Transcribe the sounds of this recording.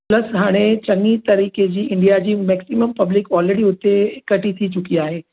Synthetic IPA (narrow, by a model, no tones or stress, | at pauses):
plɐsɦaːɽ̃et͡ɕɐ̃ŋit̪ɐɾiːked͡ʑiːɪ̃ɳɖijad͡ʑiːmɛːksiməmpɐblɪkɔːlɾeɽiʊt̪ekɐʈit̪ʰit͡ɕʊkiaːɦeː